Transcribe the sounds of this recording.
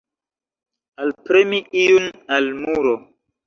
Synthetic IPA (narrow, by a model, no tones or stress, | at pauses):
alpɾemiijunalmuɾo